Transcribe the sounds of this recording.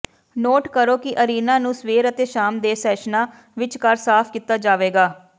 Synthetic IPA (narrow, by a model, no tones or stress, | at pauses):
noːʈkəɾoːkɪʔəɾiːnãːnũːsʋeːɾət̪eːʃaːmd̪eːsɛːʃnaː | ʋɪt͡ʃkəɾsaːpʰkiːt̪aːd͡ʒaːʋeːɡaː